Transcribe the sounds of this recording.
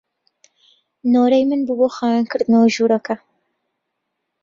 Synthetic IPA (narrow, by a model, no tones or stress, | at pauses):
noːɾɛjmɨnbɨboxɑːjankʰɨɾd̪ɨnawaʒuːɾɛkʰɐ